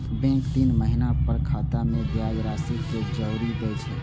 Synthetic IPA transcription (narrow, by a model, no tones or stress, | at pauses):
bɛ̃ŋkt̪inməɦinapəɾkʰat̪amebjajɾasiked͡ʒəwɾiɡəjt͡ʃʰɛ